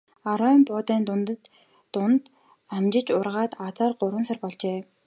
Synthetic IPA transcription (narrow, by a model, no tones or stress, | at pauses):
aɾɔmpʊːt̪iːnn | ʊnt̪ | æmt͡ɕɪ̆t͡ɕʊrʁaːt̪at͡saːrɢʊɾwə̆nsărpɔɮt͡ɕeː